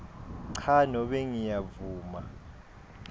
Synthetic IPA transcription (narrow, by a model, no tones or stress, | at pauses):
ǀʰanɔɓɛŋijavuːma